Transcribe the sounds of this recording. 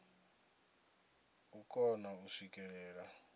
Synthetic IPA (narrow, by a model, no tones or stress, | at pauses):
ukʼɔnausikʼɛɺɛːɺa